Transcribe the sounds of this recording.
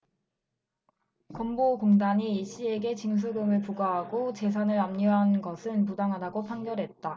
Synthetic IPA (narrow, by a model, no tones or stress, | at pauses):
kʌmboɡoŋdaɲiiɕ͈ie̞ɡe̞t͡ɕiŋs̬ʰuɡɯmɯɭpuɡaɦaɡot͡ɕe̞sʰanɯɭamɲiɦanɡʌsʰɯnpudaŋɦadaɡopʰaŋɡjʌɾɦe̞t̚t͈a